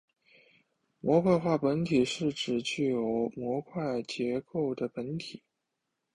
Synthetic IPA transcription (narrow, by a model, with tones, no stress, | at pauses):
mwɔ˧˥kʰwa˥˧ɪxwa˥˩pə˧˥nt̪ʰi˨˩ʂɻ̩˥˩ʈ͡ʂɻ̩˨˩t͡ɕy˥˩jo˨˩ʊmwɔ˧˥kʰwa˥˩ɪt͡ɕjɛ˧˥ko˥˩ʊd̪ə˩pə˧˥nt̪ʰi˨˩˦